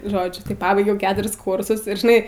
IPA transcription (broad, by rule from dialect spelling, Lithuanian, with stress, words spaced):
ˈʒoːd͡ʒʲʊ tɐɪ pɐˈbɐɪɡʲɛʊ ˈkʲæːtʊrʲɪs ˈkʊrsʊs ɪr ʒʲɪˈnɐɪ